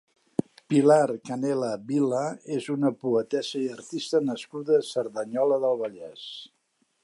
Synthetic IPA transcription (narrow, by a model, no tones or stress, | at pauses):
pilarkənɛləβiləezunəpuət̪ɛzəiərt̪ist̪ənəskuðəsəɾðəɲɔləðəlˠβəʎɛs